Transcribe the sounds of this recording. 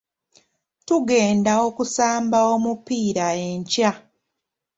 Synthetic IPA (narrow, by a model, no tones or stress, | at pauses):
tuɡe̞ːndao̞kusaːmbaomupiːɾae̞ɲca